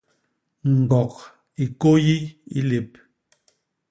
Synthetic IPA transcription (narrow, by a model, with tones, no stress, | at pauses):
ŋ̩˨ɡɔ˨k̚ | i˨ko˦ji˦ḭ˦le˨p̚